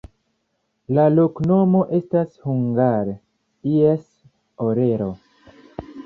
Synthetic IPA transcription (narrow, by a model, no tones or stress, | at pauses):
lalo̞kno̞mo̞ʔe̞stashuŋɡaɾ | ies | oɾe̞ɾo̞